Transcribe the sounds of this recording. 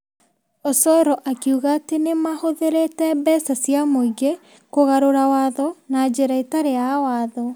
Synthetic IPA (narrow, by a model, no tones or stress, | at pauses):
osɔɾɔʔakiuɣaːtenemahoðeɾetɛbɛsasjamoiɡe | koɣaɾoɾawaðɔnad͡ʑeɾaitaɾeawaːðɔ